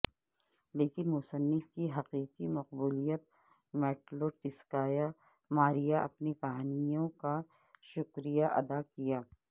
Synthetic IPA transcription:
leːkɪnmʊsənːɪfkiɦɐqiːqimɐq̚buːlijət̪̚ | meːʈloʈɪskaːja | maːɾijaʔɐpnikɐɦaːnijõka | ʃʊkɾijaʔɐ̰d̪akijaː

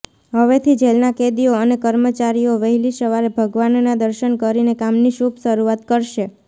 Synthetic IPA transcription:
ɦəʋet̪ʰid͡ʒelnaked̪ioənekəɾmət͡ʃaɾijoʋəɦilisəʋaɾebʱəɡʋannad̪əɾʃənkəɾinekamniʃubʱʃəɾuat̪kəɾʃe

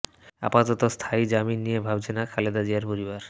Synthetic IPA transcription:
a̰pat̪ot̪ost̪ʰaid͡ʑaminːijebʱab̚t͡ɕʰenakʰaled̪ad͡ʑiaɾpoɾibaɾ

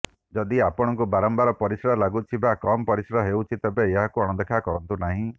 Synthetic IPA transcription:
d͡ʒɔd̪iapɔɽ̃ɔŋk̬ubaɾɔmbaɾɔpɔɾisɾɔlaɡut͡ʃʰibakɔmɔpɔɾisɾɔɦewt͡ʃʰit̪ebeːɦakuɔɽ̃ɔd̪ekʰakɔɾɔnt̪unaɦĩ

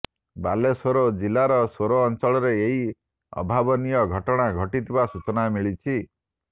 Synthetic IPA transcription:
balesoɾod͡ʒilaɾɔsoɾoːnt͡ʃɔɭɔɾeeɦi | ɔ̰bʱabɔnijɔɡʱɔʈɔɽ̃aɡʱɔʈit̪ʰibasut͡ʃɔnamiɭit͡ʃʰi

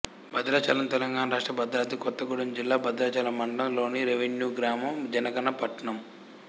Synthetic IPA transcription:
bɐd̪ɾaːt͡ʃɐlɐmt̪ɛlɐŋɡaːnɐɾaːʂʈɾɐbɐd̪ɾaːt̪ikɔt̪ːɐɡuɽɐnd͡ʒilːaːbɐd̪ɾɐːt͡ʃɐlɐmɐɳɖɐɐmlo̞ːniɾeʋeɳjuːɡɾaːmɐmd͡ʒɐnɐɡɐnɐpɐʈːɐɳɐm

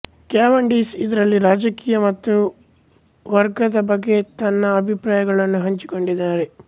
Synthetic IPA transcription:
kjaːʋɐɳɖiːsid̪ɐɾɐlːiɾaːd͡ʒɐkiːjɐmɐt̪ːu | ʋɐɾɡɐd̪ɐbɐɡːe̞t̪ɐnːɐːbʱipɾaːjɐɡɐɭɐnːuɦɐɲt͡ʃi̥ko̞ɳɖid̪ːaːɾe̞

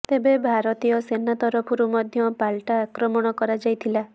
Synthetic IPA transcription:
t̪ebebʱaɾɔt̪ijɔsenat̪ɔɾɔpʰɔɾumɔd̪ʱjɔpalʈaːkɾɔmɔɽ̃ɔkɔɾad͡ʒajt̪ʰila

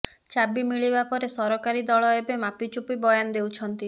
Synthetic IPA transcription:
t͡ʃabimiɭibapɔɾesɔɾɔkaɾid̪ɔɭɔebemapit͡ʃupibɔjand̪ewt͡ʃʰɔnt̪i

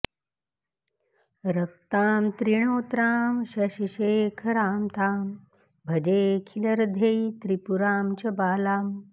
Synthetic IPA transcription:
ɾɐk̚t̪aːmt̪ɾiɳ̃oːt̪ɾaːmɕɐɕiɕeːkʰɐɾaːmt̪aːm | bʱɐd͡ʑeːkʰilɐɾd̪ʱejt̪ɾipuɾaːmt͡ɕɐbaːlaːm

